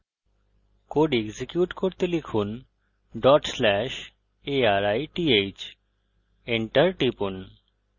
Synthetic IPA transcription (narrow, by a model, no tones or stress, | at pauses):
koɖeɡzikjuʈkoɾt̪elekʰun | ɖɔʈslɛʃ | eaɾajʈiejt͡ɕ | eɳʈɐɾʈipun